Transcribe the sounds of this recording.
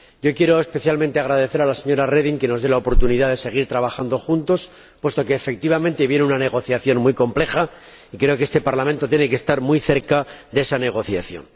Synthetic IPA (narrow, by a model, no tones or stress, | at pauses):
ɟ͡ʝo̞kje̞ɾo̞espe̞θjalmẽnt̪eaɣɾaðe̞θe̞ɾalase̞ɲo̞ɾare̞ðiŋke̞no̞zðelaopo̞ɾt̪uniðaðe̞se̞ɣ̞iɾt̪ɾaβaxand̪o̞xunt̪o̞s | pwe̞st̪o̞ke̞ːfe̞k̚t̪iβamẽnt̪e̞βje̞nunane̞ɣ̞o̞θjaθjo̞nmujko̞mple̞xa | ikɾe̞o̞keest̪epaɾlamẽnt̪ot̪je̞ne̞kest̪aɾmuijθe̞ɾkaðe̞sane̞ɣ̞o̞θjaθjo̞̰n